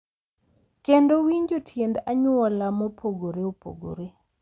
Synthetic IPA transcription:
kendowiɲd͡ʒotʰjendaɲʊɔlamɔpʰoɡoɾeopʰo̰ɡo̰ɾe

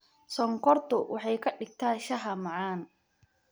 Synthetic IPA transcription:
sɔŋkʰɔrt̪ʰʊwʔɑħɑjkʰɐɪɡ̚t̪ʰaːʃɐɦɐmɑʕɑːn

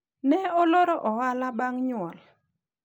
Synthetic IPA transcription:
nɛɔloɾɔʔɔwalabaŋɲʊɔl

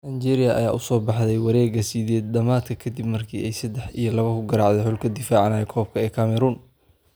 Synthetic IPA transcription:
ʔɐt͡ʃɛːɾɪjɐʔɐ̰jaːʔʊsɔːbɑħðɛjwɑɾɛːɡɐsiðɛːd̪̚d̪ɐmaːd̪kʰɐkʰɐd̪ibmɐrkʰiːʔɛjsɐd̪ːɛħijɞlɐβɐkʰʊɡɐɾaːʕðɛħʊlkʰɐd̪ɪfaːʕnaːjɛkʰɔːb̚kʰɐɛːkʰɐmɛɾuːn

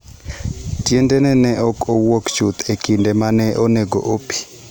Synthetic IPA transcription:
tjendɛnɛnɛʔɔkowokt͡ʃut̪ʰekindɛmanɛʔoneɡo̰ʔopi̥

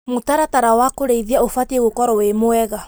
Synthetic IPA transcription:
motaɾataɾawakoɾeiðiaofatieɣokɔɾɔwemoɛɣa

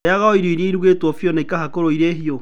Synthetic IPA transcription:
jaɣaɔiɾoiɾeiɾuɣetwɔfjɔnaikahakoɾoiɾeɦiɔ

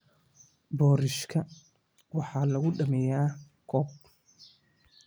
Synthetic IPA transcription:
bɔːɾɪʃkʰɐ | wɑħɑːlɐɣʊɖɐmɛjaː | kʰɔːb̚

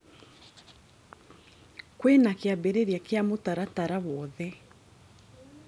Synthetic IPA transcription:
kwenakeabeɾeɾiakeamotaɾataɾawɔðɛ

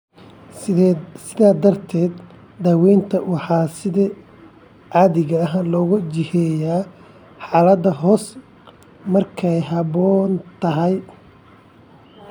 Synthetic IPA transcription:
sɪðaːd̪ɐrt̪ʰɛːd̪ | d̪aːwɛjnt̪ʰɐwɑħɑːsɪðɐ | ʕɑːðɪɣɐːɦɐlɔːɣʊt͡ʃɪhɛːjaː | ħɑːlɐd̪ɐɦɔːs | mɐrkʰɛjɦɑβɔːnt̪ʰɐɦɛj

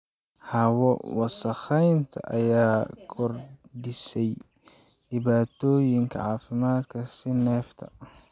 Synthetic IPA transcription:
hɐwɔwɑsɐχɛjnt̪ʰɐ̰ʔɐjaːkʰɔrdɪsɛj | ɖɪβaːt̪ʰɔːjɪŋkʰɐ̰ʕɑːfɪmaːd̪kʰɐsɪnɛːft̪ʰɐ̰

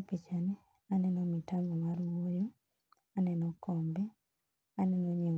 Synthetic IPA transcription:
pit͡ʃanɛ | anɛnɔmitamɔmaɾuwojo | anɛnɔkɔmbɛ | anɛnɔɲe

